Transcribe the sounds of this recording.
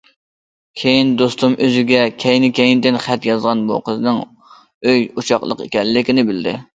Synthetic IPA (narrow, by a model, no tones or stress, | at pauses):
kʲʰejind̪ost̪umøzɪɡʲɛkʲʰɛjnɪkʲejind̪ɪnχæt̪jɑzʁɑnbṵqəznɨŋ | øjut͡ʃʰɑχlˠə̰qḛkʲɛlːɪkʲɪnɪbɪld̪ɪ̰